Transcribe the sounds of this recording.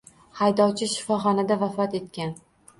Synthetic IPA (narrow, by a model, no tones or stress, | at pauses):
hajd̪ɒwt͡ʃʰɪʃɪfɒχɒnad̪avafɒt̪e̞t̪kʲan